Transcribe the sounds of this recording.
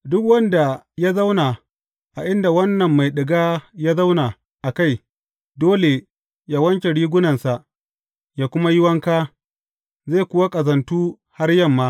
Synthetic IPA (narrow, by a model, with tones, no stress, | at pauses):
dʊ˦kwɐ˦nda˨ | ja˦za˦wna˨ | ʔa˨ʔɪ˦nda˨wɐ˦nːɐ˨mːa˨jɗɪ˨ɡaː˦jaː˦za˦wna˨ | ʔa˨ka˦˨j | doː˦le˨ | jaː˦wɐ˦ŋkʲe˨ɽiː˦ɡʷʊ˦nɐ˨nsa˨ʔ | jaː˦kʷʊ˦ma˦jɪ˦wɐ˦ŋkaː˦ | ze˦˨kʷʊ˦wa˦kʼɐ˨zɐ˨ntuː˦ | ha˦rjɐ˦mːaː˦